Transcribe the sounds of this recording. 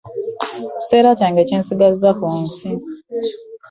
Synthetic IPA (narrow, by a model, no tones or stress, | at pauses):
ci̥seːɾataːŋɡeceːnsiɡazakunsi